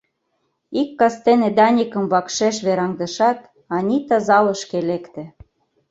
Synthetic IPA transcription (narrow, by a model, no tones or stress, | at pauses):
ikːɑst̪ened̪ɑnʲikə̆mβɑkʃeʃβeɾɑŋd̪ə̆ʃɑt̪ | ɑnʲit̪ɑzɑlɤ̆ʃkelekt̪ĕ